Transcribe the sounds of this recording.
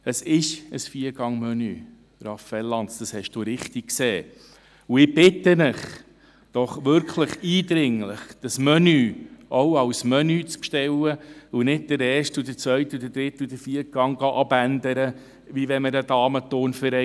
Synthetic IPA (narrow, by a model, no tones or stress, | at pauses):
əsɪʃəsfiəɾɡ̥ɑŋmœny | ɾɑfɛlːɑnsd̥ɑshɛʃd̥ʊɾɪχtɪk̚kseː | uɪb̥ɪt̪ːənɪχ | d̥ɔχʋʏɾkʰləχiːd̪ɾɪŋləχd̥əsmœnyʔoʊɑwsmœnyt͡spʃtɛwəunɪd̚d̥əɾɛːɾʃtud̪ət͡sʋœʏtud̥̪əɾdɾɪtːud̥̪əɾfiət̚ɡ̥ɑŋɡɑʔɑbænd̪əɾə | ʋiʋɛməɾədɑːmətoːnfəɾɛ